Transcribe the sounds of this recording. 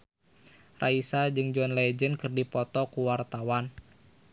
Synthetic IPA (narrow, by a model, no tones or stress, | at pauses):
raisad͡ʒɨŋd͡ʒɔnlɛd͡ʒənkɨrdipɔt̪ɔkuwart̪awan